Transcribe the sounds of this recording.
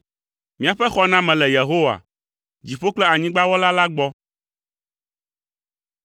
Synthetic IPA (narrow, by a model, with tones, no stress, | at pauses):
mĩ˦a˨ɸɛ˦xɔ˨nã˦mɛ̃˨lɛ˨je˨ɦo˦wa̰˨ | d͡ʑi˨ɸo˦k͡plɛ˦a˨ɲĩ˦ɡ͡ba˦wɔ˦la˦la˦ɡ͡bɔ˦